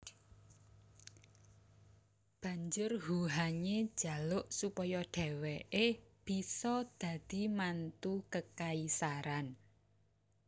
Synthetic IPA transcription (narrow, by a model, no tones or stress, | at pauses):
b̥a̤ɲd͡ʒʊrhuɦaɲed̥ʒ̥a̤lʊʔsupɔjɔɖ̥ɛ̤wɛʔeb̥i̤sɔd̪̥ä̤d̪̥i̤mant̪ukəkaisaɾan